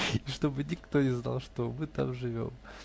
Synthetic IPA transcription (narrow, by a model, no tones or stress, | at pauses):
ɪʂt̪o̞bɨnʲɪkt̪o̞nʲɪzna̰lˠʂt̪omɨt̪a̰mʐɨvʲo̞̰m